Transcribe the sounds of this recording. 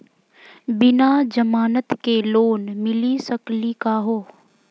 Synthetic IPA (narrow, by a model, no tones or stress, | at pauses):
bɪnad͡ʒəmaːnət̪keloːnmɪlisəklikaːɦoː